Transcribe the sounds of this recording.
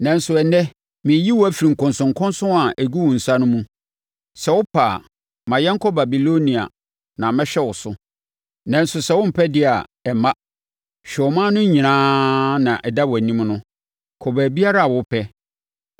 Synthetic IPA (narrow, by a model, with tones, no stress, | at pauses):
nɛ̃˨n̩˦sʊ˨ɛ˨nɛ̃˦ | mɪ̃˨˦ji˦wɔ˦æ˦fi˨ɾi˨ŋ̩˨kʊ̃˨nsʊ̃˨ŋ̩˨kʰʊ̃˦nsʊ̃˦a˨ʔæ˨ɡu˦wʊ̃˨n̩˨sa˦nʊ̃˦mũ˦ | sɛ˨wʊ˦pʰa˨ | mã˨jɛ˦ŋkʰɔ˦ba˨bi˨lo˦nĩ˨a̰˨ | nã˨mɛ̃˦ɕᶣɛ˦wʊ˨sʊ˦ | nã˨n̩˦sʊ˨sɛ˦wʊ̃˦m̩˨pʰɛ˦dɪ˦a˨ɛ˨mã˦ | ɕᶣɛ˨ɔ˨mã˦nʊ̃˦ɲĩ˨nãː˦nã˨ʔɛ˨da˦wɔ˨æ˨nĩ˦mnʊ̃˦ | kʰɔ˨bæ˨bi˦a˦ɾa˦a˨wʊ˦pʰɛ˦